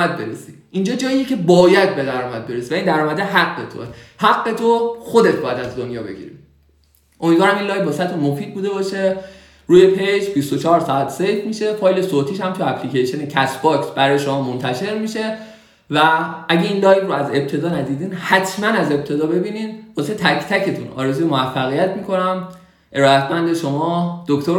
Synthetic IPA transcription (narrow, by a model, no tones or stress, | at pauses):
æd̪̚beɾḛsi | ind͡ʒɒːd͡ʒɒːijecʰe̞bɒːjæd̪̚be̞d̪æɾɒːmæd̪̚be̞ɾesivæind̪æɾɔːmæd̪eɦæɡːe̞t̪ʰo̰hæɡːe̞t̪ʰoxo̞d̪e̞t̪̚ʰbɒːjæd̪æzd̪onjɒːbe̞̰ɟḭɾḭ | ʔomid̪vɒːɾæmiːnlɒːjbɒːsæt̪ʰomofiːd̪̚buːd̪e̞bɒːʃe̞ | ɾuːje̞pʰe̞jd͡ʒbist̪ot͡ʃʰɒːɾsɒæt̪ʰsejfmiʃe̞fɒːjle̞sot̪ʰiːʃhæmt̪ʰueæpʰlicejʃonecʰæsbɒksbæɾɒːjeʃo̞mɒːmont̪ʰæʃe̞ɾmiʃe̞ | vææɟe̞iːnlɒːjvɾoæze̞b̚t̪ʰe̞d̪ɒːnæd̪iːd̪iːnhæt̪ʰmænæze̞b̚t̪ʰe̞d̪ɒːbe̞biːninbɒset̪ʰæcʰt̪ʰæcʰe̞t̪ʰunʔɒ̰ːɾe̞zujemovæfːæɣijæt̪miːkʰo̞næm | ʔe̞ɾɒːæt̪ʰmænd̪e̞ʃo̞mɒːd̪̥okt̪ʰoɾ